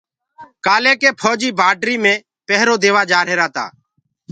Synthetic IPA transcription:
kaːleːkeːpʰoːd͡ʒiːbʱaːɖɾiːmẽː | pɛɦɾoːd̪eːʋaːd͡ʒaːɾɦeːɾaːt̪a̰ː

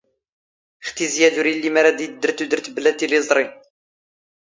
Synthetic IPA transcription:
χt̪izjæðuɾilːimaɾad̪id̪ːəɾt̪ud̪əɾt̪blæt̪ilizˤɾˤi

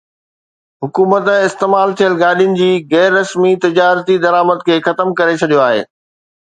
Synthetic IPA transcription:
ɦʊkuːmət̪ɪst̪eːmaːlt̪ʰijəlɡaːɗijʊnɪ̆d͡ʑiːɣɛːɾːɐsmit̪ɪd͡ʑaːɾt̪id̪ɐɾaːməd̪kʰeːxɐt̪əmkɐɾet͡ɕʰɐɗijoaːɦḛː

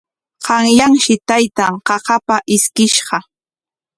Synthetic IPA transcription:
qɑŋjaŋʃɪt̪ajt̪aŋqɑqɑpaʔɪskɪʃɢɑ

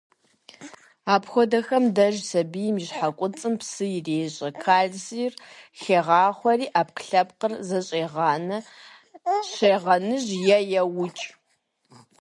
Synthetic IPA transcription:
aːpxʷɔdɐxɐmdɐʒsɐbijmiʑħakʷʼʊt͡sʼɨmpsɨjɪreːɕʼɐkʰaːɮziːrxeːʁɑːχʷɔriːʔaːp̚kʰɬɐp̚qərzɐɕʼeːʁɑːnɐ | ɕeːʁɐnɨʑjɛjɛwʊt͡ʃʼ

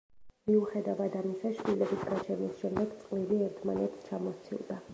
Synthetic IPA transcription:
miuχɛd̪avad̪amisaʃvilɛbisɡat͡ʃʰɛnisʃɛmd̪ɛɡt̪sʼqʼliliɛɾt̪ʰma̰nɛt̪st͡ʃʰamɔst̪sʰḭlˠd̪a

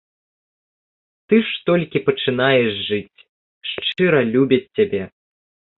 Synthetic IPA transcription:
t̪ɨʂt̪ɔlʲkʲipɐt͡ʂɨn̪ajɛʂʐɨt͡sʲ | ʂt͡ʂɨɾɐlʲubʲɐt͡sʲːabʲɛ

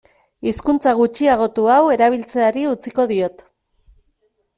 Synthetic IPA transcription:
iskunt͡saɣ̞ut͡ʃiaɣ̞o̞t̪uawe̞ɾaβ̞ilt͡se̞aɾiut͡siko̞ðio̞t̪

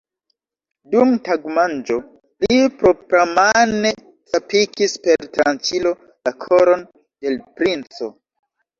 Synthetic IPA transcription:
dumtaɡmand͡ʒo̞ | lipɾo̞ɡɾamane | tapikispe̞ɾtɾant͡ʃilo̞ | lakʰo̞ɾo̞n | de̞lpɾint͡so̞

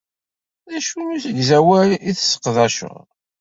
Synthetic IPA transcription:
ðæʃunuθəʝzæwæliθsə̥qðæʃʊ̰ʁ

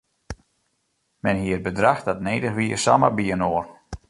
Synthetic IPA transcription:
mɛnɦiət̚bədraxdatneːdəxʋiəsamə̰biənoər

